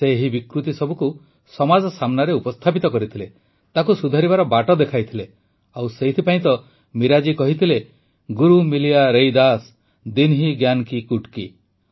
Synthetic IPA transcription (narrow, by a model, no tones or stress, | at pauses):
seɦibikɾut̪isɔbʱuku | sɔmad͡ʒɔsamnaɾeupɔst̪ʰapit̪ɔkɔɾit̪ʰile | t̪akusud̪ʱaɾibaɾɔbaʈɔd̪ekʰajt̪ʰile | awseɦit̪ʰipaĩt̪ɔ | miɾad͡ʒikɔɦit̪ʰile | ɡuɾumilijaɾejd̪as | d̪inɦiɡjankikuʈki